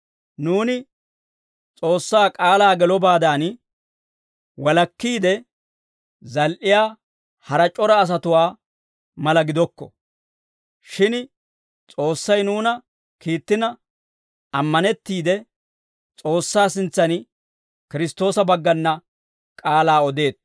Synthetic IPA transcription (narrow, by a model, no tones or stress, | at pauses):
nuːnɪ | t͡sʼo̞ːsːaːkʼaːlaːɡɛlɔbaːd̪aːn | wɐlɐkːiːd̪ɛ | zɐlʔɪjaː | hɐɾɐt͡ʃʼɔɾɐːs̬ɐt̪ʊwaː | mɐlɐɡɪd̪ɔkːɔ̥̰ | ʃɪn | t͡sʼo̞ːsːɐjnuːnɐ | kiːt̪ːɪnɐ | ɐmːɐnɛt̪ːiːd̪ɛ | t͡sʼo̞ːsːaːs̬ɪnt͡sːɐn | kɪɾɪst̪o̞ːsɐbɐɡːɐnːɐ | kʼaːlaːɔd̪e̞ːt̪̚